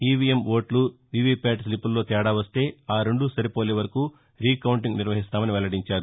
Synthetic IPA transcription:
iːʋiːemʋo̞ːʈluʋiːʋiːpaːʈslipːulːo̞ːt̪ɛːɽaːʋɐst̪e̞ːaːɾeɳɖusɐɾipoːleːʋɐɾɐkuː | ɾiːkɐwuɳʈiŋɡniɾʋɐɦist̪aːmɐniʋɛlɐɽiɲt͡ʃaːɾu

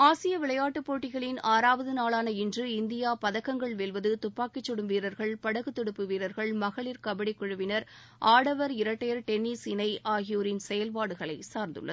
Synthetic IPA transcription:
aːsɪjɐʋɪɭɐjaːʈːɯpːoːʈːɪɣɐɭɪnaːɾaːʋɐðɯnaːɭaːnɐɪndrɯɪnd̪ɪjaːpɐðɐkːɐŋɡɐɭʋɛlʋɐðɯt̪ʊpːaːkːɪt͡ʃːɔɽɯmʋiːɾɐɾɣɐɭpɐɽɐɣɯt̪ːɪɽɯpːɯʋiːɾɐɾɣɐɭmɐɣɐɭɪɾkɐbɐɽɪkːʊɻɯʋɪnɐɾ | aːɽɐʋɐɾɪɾɐʈːɐjɐɾʈɛnːisɪnɐɪʔaːɣɪjoːɾɪnsɛjɐlpaːɽɯɣɐɭɐɪsaːɾnd̪ɯ̰ɭːɐð

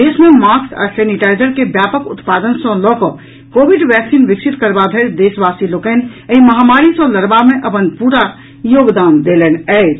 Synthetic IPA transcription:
d̪esmemakka̰sɛniʈaɪzəɾkebjapəkṵt̪pad̪ənsɔ̃lɔkɔ̃ | kobiɖʋɛksinʋiksit̪kəɾbabʱeɾd̪esbasilokɛnəiməɦamaɾisɔ̃ləɾbameʔəpənpuɾa | joːɡd̪and̪elɛnɛɪt͡ʃ

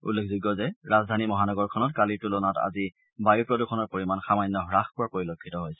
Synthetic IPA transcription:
ṵlːekʰzuɡɔzɛɹazdʱanimɔɦanɔɡɔɹkʰɔnɔtkalitulonata̰zi | bajupɹɔdukʰɔnɔɹpoɹimanxamajnːɔɦɹaxkɔɹapoɹilokʰːitɔɦojsɛ̥

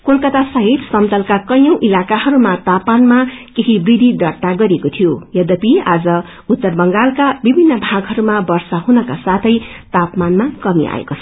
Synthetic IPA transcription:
kolkʌt̪asʌɦit̪sʌmt̪ʌlkakʌjʌ̃w̃ʔilakaɦʌɾumat̪apanmakeɦibrid̪ʱid̪ʌɽt̪aɡʌɾekot̪ʰijojʌd̪ʌpia̰d͡zʌ | ut̪ːʌrbʌŋɡalkabibʱinːʌbʱãɡɦʌɾumabʌrsaɦunʌkasat̪ʰʌjt̪apmanmakʌmḭa̰ḛko

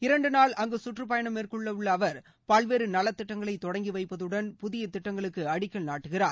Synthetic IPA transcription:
ɪɾɐɳɖɯnaːɭʔɐŋɡɯsʊʈrɯp̬ɐjɐɳɐmerkɯɭːɐɯɭːɐːʋɐɾ | paːlʋeːɾɯnɐlɐt̪ːɪʈːɐŋɡɐɭɐɪt̪ːɔɽɐŋɡiʋɐɪpːɐðɯɽɐnpʊðɪjɐt̪ːɪʈːɐŋɡɐɭɯkːɯɐɽɪkːɐɭnaːʈːɯɣɪraːɾ

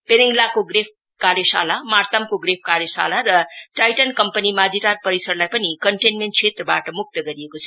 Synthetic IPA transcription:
peniŋlakoɡrep̚ʰ | kaɾjʌsa̰lamart̪amkoɡɾepʰkaɾjʌsa̰laɾʌʈajʈʌnkʌmpənimad͡ziʈarpʌɾisʌrlajpʌnikʌɳʈenmeɳʈ̚t͡sʰet̪rʌbaʈʌmuk̚t̪ʌɡʌɾijekot͡sʰʌ̥

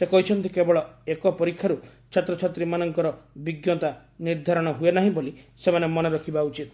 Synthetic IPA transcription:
sekɔɦit͡ʃʰɔnt̪ikebɔɭɔekɔpɔɾikʰːjaɾu | t͡ʃʰat̪ɾɔt͡ʃʰat̪ɾimanɔŋkɔɾɔbiɡjɔt̪a | niɾd̪ʱaɾɔɽ̃ɔɦuenaɦĩbolisemanemɔnɔɾɔkʰibaut͡ʃit̪

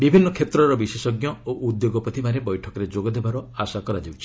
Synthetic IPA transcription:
bibʱinːɔkʰet̪ɾɔɾɔbisesɔɡjɔoʔud̪joɡɔpɔt̪ʰimaɾebɔjʈʰɔkɔɾed͡ʒoɡɔd̪ebaɾɔasakɔɾad͡ʒewt͡ʃʰi

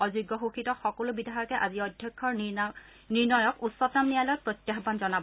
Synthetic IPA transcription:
ɔzuɡːɔxuxitɔxɔkolʊbidʱaɦɔjɔkɛʔaziɔdʱjɔkʰːɔɹ | niɹnɔjɔkusːɔtːamnijalɔjɔk̚pɹɔtjaxbanzɔnab

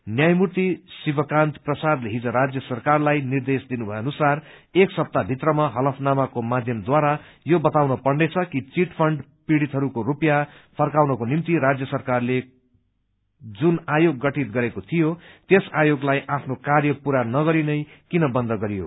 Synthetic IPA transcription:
njajmurt̪isibʌkãnt̪prʌsad̪leɦid͡zʌɾad͡zjʌsʌrkarlajnird̪esd̪inubʱʌeʌnusareksʌp̚t̪abʱit̪rʌmaɦʌlʌpʰnamakomad̪ʱjʌmd̪waɾa | jobʌt̪awnʌpʌrnet͡sʰʌkit͡siʈpʰʌɳɖ | piɽit̪ɦʌɾukorupjapʰʌrkawnʌkonimt̪iɾad͡zjʌsʌrkarle | d͡zunajoɡːʌʈit̪̚ɡʌɾekot̪ʰijot̪esajoɡlajʔapʰnokarjʌpuɾanʌɡʌɾinʌjkinʌbʌnd̪ʱʌɡʌɾijo̰

